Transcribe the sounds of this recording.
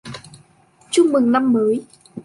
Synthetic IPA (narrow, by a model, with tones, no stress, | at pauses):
t͡ɕʊ˧ŋ͡mmɨ˨˩ŋna˧mːəː˨˦j